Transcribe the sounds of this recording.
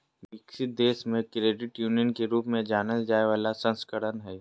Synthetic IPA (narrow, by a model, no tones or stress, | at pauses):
ʋɪkʃɪt̪̚d̪eːʃmẽkɾeːɖɪʈjuːnijənkeɾuːpmẽd͡ʒaːnəld͡ʒaːeʋaːlasə̃nskəɾənɦɛː